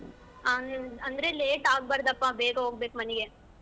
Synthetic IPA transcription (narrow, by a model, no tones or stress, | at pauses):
aɐnd̪ɾeleːʈaːɡ̚baːɾɐd̪ɐpːãːbeːɡɐoːɡbeːkmɐniɡe